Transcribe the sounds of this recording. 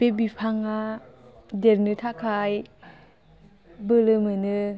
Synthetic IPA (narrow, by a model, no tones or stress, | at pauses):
b̥ebipʰaŋa | deɾnɯtʰakʰaj | bɯlɯmɯnɯ